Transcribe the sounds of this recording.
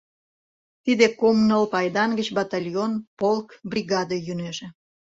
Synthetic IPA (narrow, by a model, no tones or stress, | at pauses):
t̪id̪ekomnəlpɑjd̪ɑnɡət͡ɕbɑt̪ɑlʲjonpolkbrʲiɣɑd̪əjyneʒĕ